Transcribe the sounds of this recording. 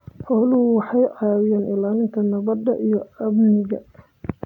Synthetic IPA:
ħɔːlʊhʊwɑħɑjʔɑːwɪjaːnʔɪlaːlɪŋk̪ʰɐnɐβɐd̪ːɐ̰ʔijɞɐbnɪɣɐ̰

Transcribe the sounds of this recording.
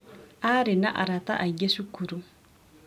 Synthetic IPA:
aːɾinaʔa̰ɾataʔaɡesukuɾu

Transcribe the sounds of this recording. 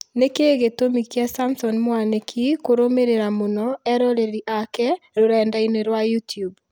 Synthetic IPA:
nekeɣetomikjasamsɔnmwanekʰikoɾomeɾeɾamonɔɛɾɔɾeɾiʔakɛɾoɾɛːndaineɾwajutjub

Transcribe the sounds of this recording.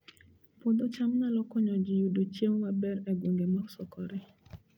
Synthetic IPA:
pod̪ot͡ʃamnalɔkɔɲɔd͡ʒɪjudot͡ʃjemːabɛɾɛɡwoŋɡemɔksɔkɔɾɛ

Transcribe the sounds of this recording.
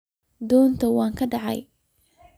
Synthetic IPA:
d̪ɔːnt̪ʰɐwɑːŋkʰɐɖɑʕɑ̰j

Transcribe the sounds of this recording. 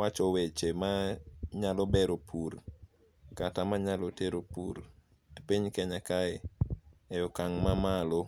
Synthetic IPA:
wat͡ʃɔwet͡ʃemaɲalɔbɛɾopʰur | katamaɲaloteɾopuɾ | piɲkɛɲakaɪ | ɛjɔkaŋmamalo

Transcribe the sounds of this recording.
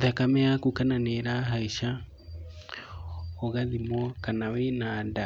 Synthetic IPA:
ðakamɛjakukananeɾaɦaiʃa | ɔɣaðimɔkanawenaːda

